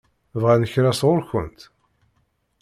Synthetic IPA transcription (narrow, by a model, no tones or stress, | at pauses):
vʁænəçɾæsʁʊɾçə̰nt̪